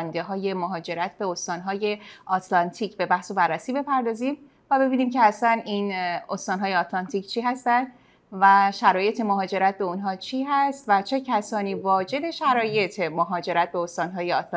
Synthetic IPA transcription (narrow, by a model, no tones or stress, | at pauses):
nd̪e̞ɦɒːje̞moɦɒːd͡ʒe̞ɾæt̪ʰbe̞ost̪ɒːnɦɒːje̞ɒːt̪ʰlɒnt̪ʰiːcʰbe̞bæhsobærːæsiːbe̞pʰæɾd̪ɒːziːm | væbe̞biːniːmcʰe̞æsæninost̪ɒːnɦɒːjeɒːt̪ʰlɒnt̪ʰiːct͡ʃʰiːɦæst̪ænd̪ | væʃæɾɒːje̞t̪ʰe̞moɦɒːd͡ʒe̞ɾæt̪̚be̞unɦɒːt͡ʃʰiːɦæst̪væt͡ʃʰe̞cʰæsɒːniːvɒːd͡ʒe̞d̪e̞ʃæɾɒːje̞t̪ʰemoɦɒːd͡ʒe̞ɾæt̪̚be̞ost̪ɒːnɦɒːjeɒt̪